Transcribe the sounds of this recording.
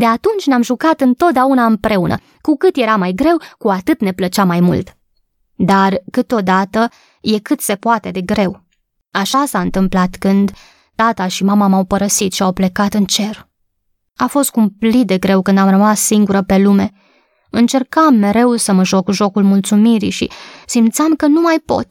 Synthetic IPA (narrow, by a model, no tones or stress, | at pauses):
d̪e̞at̪unt͡ʃʲneamʒukat̪ɨnt̪o̞t̪̚d̪eaunaɨmpɾe̞unə̰ | kukɨt̪je̞ɾamajɡɾe̞wkuat̪ɨt̪ne̞plət͡ʃamajmṵlt̪ | d̪arkɨt̪o̞d̪at̪ə | je̞kɨt̪se̞puat̪e̞d̪e̞ɡɾe̞w | aʃasaɨnt̪ɨmplat̪kɨnd̪ | t̪at̪aʃimamamawpəɾəsit̪ʃiawple̞kat̪ɨnt͡ʃe̞r | afo̞st̪̚kumplit̪̚d̪e̞ɡɾe̞wkɨnd̪amrəmasːiŋɡuɾəpe̞lume̞ | ɨnt͡ʃe̞rkamːe̞ɾe̞wsəməʒo̞kuʒo̞kulmult̪sumiɾḭʃḭsimt̪samkənumajpo̞̰t̪